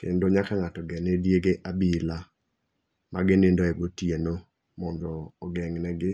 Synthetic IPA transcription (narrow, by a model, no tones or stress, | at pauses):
kḛndoɲakaŋatɔɡɛnɛdjeɡeʔabila | maɡɪnɪndoɛɡotjeno | mɔndɔːɡɛŋnɛɡɪ